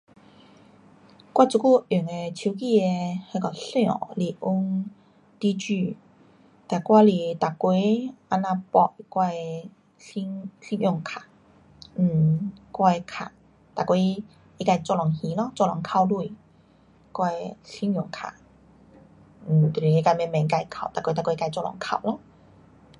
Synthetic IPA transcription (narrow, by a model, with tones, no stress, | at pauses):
kwa˥˧˨t͡su˧ku˥˧y˨˩ŋe˧t͡ɕʰi˧˦ki˧e˧he˧kɔ˨˧˩ɬj̰̃li˧˩ʔu˦ŋ | t̪i˧˦t͡ɕy˥˧˩ | t̪a˨˩kwa˧li˧˩t̪a˨˩kwe˧˦a˧˥nã˧pɔ˧˩˨kwa˧j | ɬi˧˥ŋɬi˧˦ŋjɔ˧˨ŋkʰa˨˩ | n̩˥˩kwa˧jkʰa̰˨˩ | t̪a˨kwe˧˦ | i˧ka˧jt͡sɔ˧˨lɔ˨˩ŋhĩ˧˦lɔ˧˦t͡sɔ˥˧˨lɔ˨˩ŋkʰa˧wlu˧˨j | kwa˧jɬi˧˥njɔ˨˩ŋkʰa̰˨˩ | n̩˨˩t̪i˧˨i˨e˧ka˧mɛ˧˨mɛ̃˨˩ŋi˧ka˧jkʰa˨˩˨wt̪a˨˩kwe˦t̪a˨kʷwe˧˦˧ka˧jt͡sɔ˧˨lɔ̰˨˩ŋkʰa̰˨wlɔ˧˦